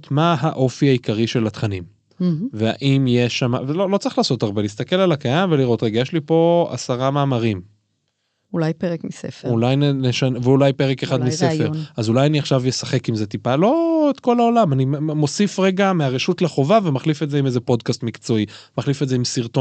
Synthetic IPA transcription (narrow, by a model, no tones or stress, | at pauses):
tmaɦaʔo̞fiaikaʁiʃe̞lat̪χanim | vea̰ʔimjeʃama̰vlolot͡sʁiχlaːso̞taʁbe̞liːst̪ake̞lalakajamve̞liʁo̞t̪ʁeɡajeʃlipo̞a̰saʁamaːmaʁim | ulajpeʁekmisefeulajnneʃanveulajpeʁekeχad̪misefeʁazulajaniaχʃavjesaχe̞kimze̞t̪ipalo̞et̪ko̞lao̞lamanimo̞sifʁe̞ɡameaʁeʃutlaχo̞vavemaχlifetzeimezepo̞dkast̪mikt͡so̞imaχlifetzeimsiʁt̪o